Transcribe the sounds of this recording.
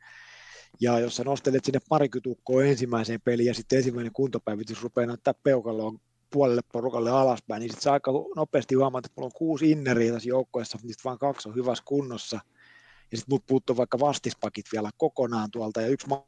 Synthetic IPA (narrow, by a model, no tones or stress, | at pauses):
jɑjosːɑnost̪elːˑet̪sinːeppɑrikyt̪ukːoːensimːæiseːmpelijɑsit̪ːensimːæˑineŋkunt̪opæiʋit̪ysrupeːnæˑt̪ːæːppeukɑlːoːn | puɑlelːepporukɑlːeɑlɑspæiniːsit̪seɑikːɑhnopˑeːst̪ihuɑmɑt̪et̪mulːoŋkuːsinːeriːt̪æsjoukːoesːɑnisi̥t̪ʋɑːŋkɑksohyʋæskunːosːɑ | jɑsit̪muːt̪̚puːt̪ːuːʋɑikːɑʋɑst̪ispɑkit̪ʋiælækokonɑːnt̪uɑlt̪ɑjɑyksm